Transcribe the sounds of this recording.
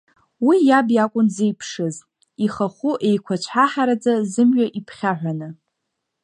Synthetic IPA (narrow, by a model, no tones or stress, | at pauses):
wijabjakʷʼʊnzejpʰʂɨz | iχaχʷuʔejkʷʰat͡ʃʷʰħaħaɾad͡zazɨmɥaʔipʰχʲaħᶣʷanɨ